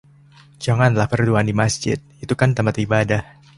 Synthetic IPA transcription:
d͡ʒaŋanlahfərduandimasd͡ʒɪ̰t̪̚it̪ukant̪ampat̪ibadah

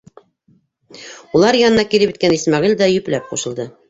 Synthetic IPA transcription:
ulˠɑɾjɑnɤ̆nɑkilɘpy̆t̪̚kænismɑʁild̪æjɵ̆plæp̚quʃɤ̆lˠd̪ɤ

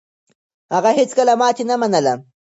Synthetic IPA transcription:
ɑɢɑhɪt͡skalamaːt͡ʃɪnamanala

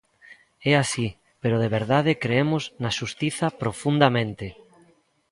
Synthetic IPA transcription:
ɛasi | peɾʊðeβeɾðað̞ɪkɾeemʊznaʃust̪iθɐpɾofund̪ɐmẽnt̪ɪ

